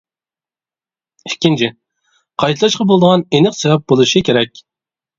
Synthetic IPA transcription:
ɪkʲːint͡ʃʰɪ | qʰɑjt̪ʰɑlˠɑʃqɑbolˠd̪əʁɑnenɪqsɛvɛp̚bolˠuʃikʲʰeɾɛkʲ

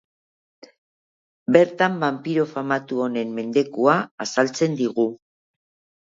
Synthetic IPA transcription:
be̞ɾt̪ambampiɾo̞famat̪uo̞ne̞mːe̞nd̪e̞kuaːsalt͡se̞nd̪iɣ̞u

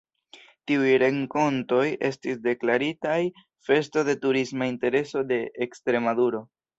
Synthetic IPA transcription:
tiujɾe̞ŋko̞nto̞je̞stisde̞klaɾitaj | fe̞sto̞de̞tuɾismainte̞ɾe̞so̞de̞ʔːkstɾe̞maduɾo̞

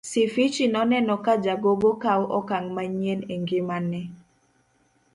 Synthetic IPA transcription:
sifit͡ʃinɔnɛnɔkad͡ʒaɡoɡokawʔɔkaŋmaɲeneŋɡɪmanɛ

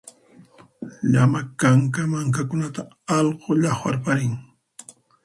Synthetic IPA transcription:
ʎamakaŋkamaŋkakʊnat̪a | ɑlɢoʎɑχwaɾpaɾɪŋ

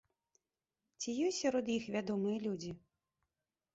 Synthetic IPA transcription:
t͡sʲijɔsʲaɾɔd̪jixvʲad̪ɔmɨjɐlʲud͡zʲi

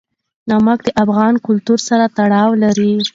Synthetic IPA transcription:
nɑmak̚d̪əʔafɣɑnkʊlt̪uɾsaɾat̪aɽɑwlaɾi

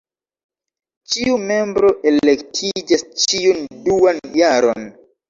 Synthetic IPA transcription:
t͡ʃiume̞mbɾo̞ʔe̞lektʰid͡ʒast͡ʃiunduanjaɾo̞̰n

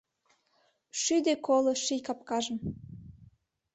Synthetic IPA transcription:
ʃyd̪ekoloʃijkɑp̚kɑʒə̆m

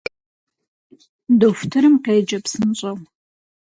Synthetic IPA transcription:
doftʰɨɾɨmqeːd͡ʒɐpsɨnɕʼɐw

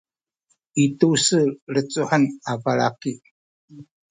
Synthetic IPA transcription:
itusəɾət͡suħənavala̰ki

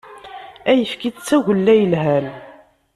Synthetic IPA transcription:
æjəfkit͡sːæʝəlːæjəlɦæl

